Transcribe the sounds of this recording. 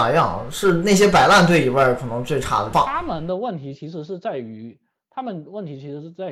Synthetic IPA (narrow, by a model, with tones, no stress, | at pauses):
jɑ̰˥˩ŋʂɻ̩˥˧na˥˩ɪɕjɛ˥pa˨˩ɪla˥˧nt̪̬we˥˩ɪi˨˩wa˥˩ɪkʰɤ˨˩nɤ˧˥ŋt͡swe˥˩ɪʈ͡ʂʰa̰˧˥d̪ə˧fɑ˥˩a˥mə˨nd̪ə˧wə˥˩nt̪ʰi˧˥t͡ɕʰi˧˥ʂɻ̩˧˥ʂɻ̩˥˧t͡sa˥˩ɪy˧˥ | t̪ʰa˥mə˨nwə˥˩nt̪ʰi˧˥t͡ɕʰi˧˥ʂɻ̩˧˥ʂɻ̩˥˧t͡sa˥˩ɪ